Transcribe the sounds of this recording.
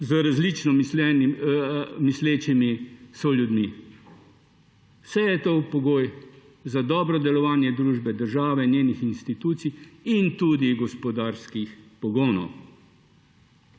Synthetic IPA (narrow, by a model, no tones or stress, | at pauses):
zəɾazlit͡ʃnɔmslɛn | misleːt͡ʃimisɔlʲjud̪mi | wsɛjɛt̪opɔɡoːj | zad̪ɔːbɾɔd̪ɛlɔʋaːnjɛd̪ɾuːʒbɛd̪əɾʒaːʋɛnjeːnixinst̪it̪uːt̪sijint̪ud̪iɡɔspɔd̪aːɾskixpɔɡoːnɔ̰w